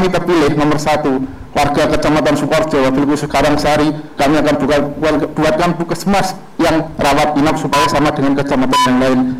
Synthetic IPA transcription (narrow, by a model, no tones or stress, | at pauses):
ŋkit̪apilɪhməmərsat̪u | warɡ̥akət͡ʃamat̪ansupɔrt̪̚d͡ʒ̥awafilk̪usəkaɾaŋsaɾikamiakanbukab̥ukat̪̚kanp̪ukəsmas | jaŋrawat̪̚inak̚supajasamad̥əŋankət͡ʃamat̪anjaŋlaɪn